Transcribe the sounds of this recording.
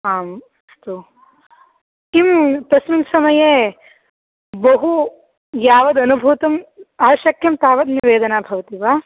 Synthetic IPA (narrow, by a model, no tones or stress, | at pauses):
aːm | st̪u | imt̪ɐsminsɐmɐje | bɐɦu | jaːʋɐd̪ɐnubʱut̪ɐmaːʃɐkʰjɐmt̪aːʋɐd̪niʋeːd̪ɐnaːbʱɐʋɐt̪iʋaː